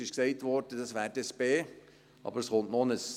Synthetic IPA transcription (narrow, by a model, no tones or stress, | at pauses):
ɪʃksɛɪtʋɔɾdəd̥ɑsʋæːɾdɛsb̥eː | ʔɑ̰bəɾəsχʊntnonəs